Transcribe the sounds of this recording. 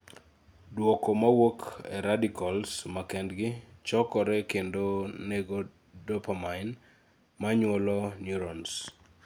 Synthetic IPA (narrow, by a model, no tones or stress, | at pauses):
dwɔkɔmawokʰɛ̰ɾadikʰɔlsmakɛndɡɪt͡ʃɔkɔɾɛkendoneɡo | dɔpamaɪn | maɲwɔlɔnjuɾɔns